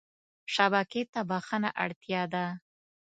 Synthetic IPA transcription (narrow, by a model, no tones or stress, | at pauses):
ʃabaket̪abaxənaʔaɽt̪jɑd̪a